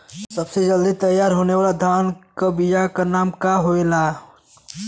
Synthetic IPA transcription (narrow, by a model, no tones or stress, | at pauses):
sɐbsed͡ʒɐld̪it̪ɐjːaːɾɦoːneʋaːlad̪ʱaːnkabɪd͡ʒakanaːmkaɦoelaː